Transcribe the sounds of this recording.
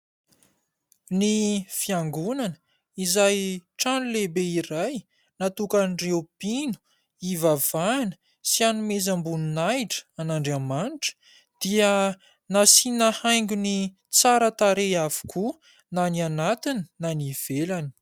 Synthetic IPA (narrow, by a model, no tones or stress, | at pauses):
nifiaŋɡunanə | izajʈ͡ʂanulebeiɾaj | nat̪ukanirewpinu̥ | ivavanə̥ | sianumezambuninajʈ͡ʂə̥anaɳɖ͡ʐamaniʈ͡ʂə̥ | d̪̥iə | nasinahajŋɡʲuni | t͡saɾət̪aɾejavu̥kʰu | nanianat̪ininaniv̥elani̥